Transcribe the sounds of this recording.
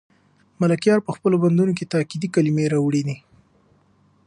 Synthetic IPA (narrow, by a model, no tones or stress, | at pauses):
malakjɑɾpəxpəloband̪unoket̪ɑkid̪ikalimeɾɑwɽid̪i